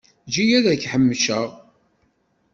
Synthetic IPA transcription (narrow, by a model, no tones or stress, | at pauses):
d͡ʒijæðæçħəmːʃəʁ